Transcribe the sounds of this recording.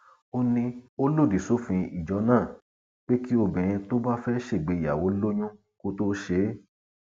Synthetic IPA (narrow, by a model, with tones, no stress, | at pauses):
o˧nĩ˧o˦lo˦˨di˨so˦fĩ˧i˨d͡ʒɔ˨˧˦nãː˦˨ | k͡pe˦ki˦o˧˨bɛ̃˨j̃ĩ˧to˦ba˦fɛ˦ʃe˦˨ɡ͡be˨˧˨ja̰˨wo˨˦lo˦ɲ̃ũ˦ | ko˦to˦ʃe˧˦